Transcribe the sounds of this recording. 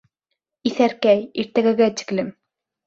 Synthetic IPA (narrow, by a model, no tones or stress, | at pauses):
iθæɾkæjiɾt̪æɡæ̆ɡæt̪ɘ̥klɘm